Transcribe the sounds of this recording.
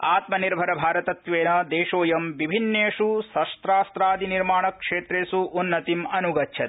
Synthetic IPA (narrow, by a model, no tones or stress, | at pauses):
aːt̪mɐniɾbʱɐɾɐbʱaːɾɐt̪ɐt̪ʋeːnɐd̪eːʂoːjɐmʋibʱinːeːʂusɐʂt̪ɾaːst̪ɾaːd̪ʱiniɾmaːɳɐkʂeːt̪ɾeːsuʔːnːɐt̪imɐnuɡɐtːʃʰɐt̪